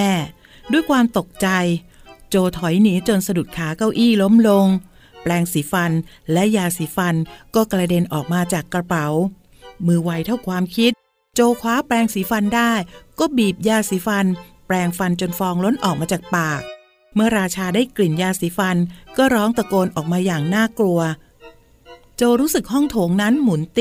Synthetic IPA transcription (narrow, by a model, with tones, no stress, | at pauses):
ɛː˥˩ | du˥˩əjkʰwaː˧mt̪o˨˩k̚t͡ɕa˧j | t͡ɕoː˧t̪ʰɔ˩˦jniː˩˦˥t͡ɕo˧nsa˧du˨˩t̪̚kʰaː˩˦ka˥˩wʔiː˥˩lo˦˥mlo˧ŋ | plɛː˧ŋsiː˩˦fa˧nlɛ˦˥ʔjaː˧siː˩˦fa˧nkɔː˥˩kla˧de˧nʔɔː˨˩k̚maː˧t͡ɕaː˨˩kːɾa˧pa˩˦w | mɯː˧wa˧jt̪ʰa˥˩wkʰwaː˧mkʰi˦˥t̪̚ | t͡ɕoː˧kʰwaː˦˥plɛː˧ŋsiː˩˦fa˧ndaː˥˩jkɔː˥˩biː˨˩p̚jaː˧siː˩˦fa˧n | plɛː˧ŋfa˧nt͡ɕo˧nfɔː˧ŋlo˦˥nʔɔː˨˩k̚maː˧t͡ɕaː˨˩k̚paː˨˩k̚ | mɯ˥˩ɐɾaː˧t͡ɕʰaː˧daː˥˩jkli˨˩njaː˧siː˩˦fa˧nkɔː˥˩ɾɔː˦˥ŋt̪a˧koː˧nʔɔː˨˩k̚maː˧jaː˨˩ŋnaː˥˩klu˧ɐ | t͡ɕoː˧ɾuː˦˥sɯ˨˩k̚hɔ˥˩ŋt̪ʰoː˩˦ŋna˦˥nmu˩˦nt̪